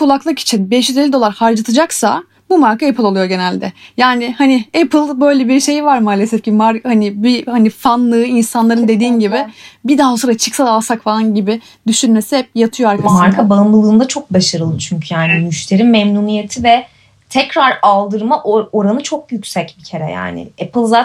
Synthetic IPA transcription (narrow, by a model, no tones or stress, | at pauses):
kʰulˠaklˠɯki̥t͡ʃʰinbɛʃyd̪elʲid̪o̞lˠaɾhaɾd͡ʒat̪ʰɯd͡ʒaksa | bumaɾkʰaepʰɯlˠo̞lˠjo̞ɟe̞nælʲd̪ɛjaːnɪhanɪɛpʰɯlˠbø̞jlʲɛbiɾʃe̞jvaɾmaːlʲesɛfcʰimaɾkhanɪbihanifanlˠɯːinsanlˠaɾɯnd̪e̞d̪iːnɟibɪbid̪aːosoɾat͡ʃʰɯksalˠalˠsakfalˠanɟibɪ | d̪yʃynme̞sihɛp̚jat̪ʰɯjoaɾkʰamaɾkʰabanbɯlˠɯːnd̪at͡ʃʰok̚baʃaɾɯlˠɯt͡ʃʰyɲcʰyjaːnimyʃt̪ʰe̞ɾimːɛmnunije̞t̪ʰivɛ | t̪ʰɛcɾaɾalˠd̪ɯɾmaʔooɾanɯt͡ʃʰok̚jycʲsɛcbicʰe̞ɾɛ̰ja̰ːnɪ̰ɛpɯlˠzaː